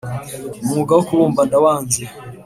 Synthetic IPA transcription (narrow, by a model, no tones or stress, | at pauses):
mŋuɡawokuβuːmbadawaːnze